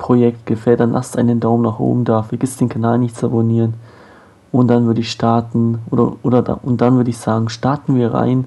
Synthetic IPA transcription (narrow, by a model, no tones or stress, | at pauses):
pʁ̥ojɛkt̚ɡ̥əfɛlt̚d̥anlʔa̰stʔaɪnəndaʊmnaχʔo̰ːbm̩daɐfiɐɡɪstd̥eːnkʰanaːlnɪçtt͡saboniːʁən | ʔʊntd̥anvʏɐɾəɪçʃtaɐtn̩ʔoːdɐ̰ʔoːdɐda̰ʔʊnt̚d̥anvʏɐɾəɪçz̥aːɡŋ̩ʃtaɐtn̩viːɐʁa̰ɪn